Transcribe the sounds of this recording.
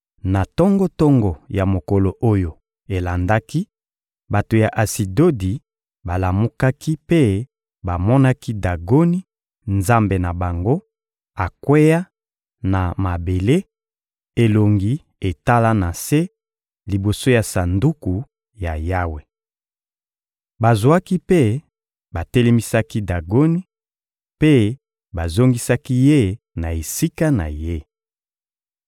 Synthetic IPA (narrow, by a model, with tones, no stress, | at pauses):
na˨tɔ˦ŋɡɔ˦tɔ˦ŋɡɔ˨ja˨mo˨ko˨lo˨ʔo˦jo˨ | e˨la˨nda˦ki˦ | ba˨to˨ja˨ʔa˨si˨do˦di˨ | ba˨la˨mu˦ka˦ki˦pe˦ | ba˨mɔ˦na˦ki˦da˨ɡo˦ni˦ | nza˦mbe˨na˨ba˨ŋɡo˦ | a˨kwe˦ja˦ | na˨ma˨be˨le˦ | e˨lo˨ŋɡi˦ | e˨ta˦la˦na˨se˦ | li˨bo˨so˦ja˨sa˨ndu˦ku˨ | ja˨ja˦we˨ | ba˨zo˨a˦ki˦pe˦ | ba˨te˦le˦mi˦sa˦ki˦da˨ɡo˦ni˦ | pe˦ | ba˨zo˦ŋɡi˦sa˦ki˦je˦˨ | na˨e˨si˦ka˦na̰˨je˦˨